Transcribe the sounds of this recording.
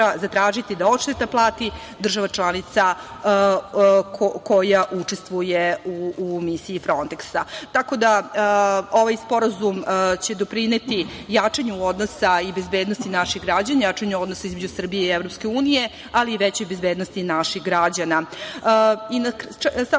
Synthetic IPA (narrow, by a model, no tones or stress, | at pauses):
azat̪ɾaːʒit̪id̪ao̞tʃt̪et̪aplˠaːt̪i | d̪r̩ʒaʋat͡ʃlˠanit̪sa | koko̞jaʔut͡ʂe̞st̪ʋujeuːmisiːfɾo̞nt̪eksat̪ako̞d̪a | o̞ʋajspo̞ɾazumt͡ɕed̪o̞pɾine̞t̪ijat͡ʂaɲuod̪no̞saibe̞zbe̞ːd̪nost̪inaʃiɣɡɾad͡ʑaɲajat͡ʂaɲuo̞d̪nosaizmed͡ʑusr̩bijeievɾo̞pske̞uːnije̞ | aliːʋet͡ɕojbe̞zbed̪nost̪inaʃixɡɾad͡ʑana | inasa